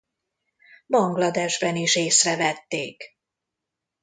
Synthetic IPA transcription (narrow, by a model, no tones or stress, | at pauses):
bɒŋɡlɒd̪ɛʒbɛniʃeːsrɛvɛt̪ːeːk